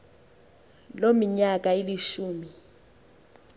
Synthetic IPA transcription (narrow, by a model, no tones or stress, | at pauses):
lomiɲak̬ʼailiʃuːmi